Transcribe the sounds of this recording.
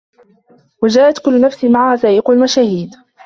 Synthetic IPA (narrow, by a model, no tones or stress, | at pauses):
wad͡ʒaːʔat̪kʊlːʊnafsɪmaʕahaːθaːʔɪqʊlmaʃaːhiːd̪